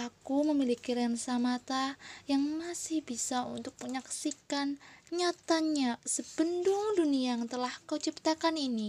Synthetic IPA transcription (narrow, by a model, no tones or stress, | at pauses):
akuməmilikiɾɛnsamat̪ajaŋmasɪhbisaṵnt̪ʊk̚məɲaksikanɲat̪aɲasəbənduŋduniaŋt̪əlahkawt͡ʃəp̚t̪akanini